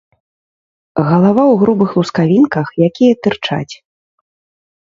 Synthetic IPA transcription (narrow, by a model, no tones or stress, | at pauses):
ɣɐlˠavawɣɾubɨxlˠuskavʲinkɐxjakʲijɐt̪ɨrt͡ʂa̰t͡sʲ